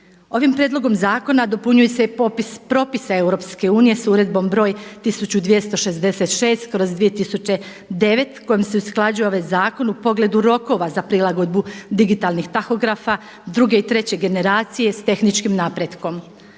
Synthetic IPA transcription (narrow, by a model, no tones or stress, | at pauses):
o̞ʋimpɾjed̪lˠo̞ɡo̞mzaːko̞nad̪o̞puɲujesepopispɾo̞pisae̞wɾo̞pske̞uːnije̞suɾe̞d̪̚bo̞mbɾo̞ːjt̪isut͡ɕud̪ʋije̞st̪o̞ʃe̞zd̪e̞se̞t̪ʃe̞ːst̪kɾo̞zd̪ʋije̞t̪isut͡ɕe̞ | d̪e̞ʋe̞t̪ko̞jimseusklˠad͡ʑujeo̞ʋajzaːko̞nupo̞ɡle̞d̪uɾo̞ko̞ʋazapɾilˠaɡo̞d̪̚bud̪iɡit̪alˠnixt̪axo̞ɡɾafa | d̪ɾuɡe̞it̪ɾe̞t͡ɕe̞ɡe̞ne̞ɾaːt̪sije̞st̪e̞xnit͡ʃkimnaːpɾe̞d̪ko̞m